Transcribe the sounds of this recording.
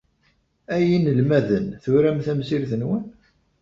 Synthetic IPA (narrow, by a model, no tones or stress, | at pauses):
æjinəlmæðənθʊɾæmθæmsiɾθənwən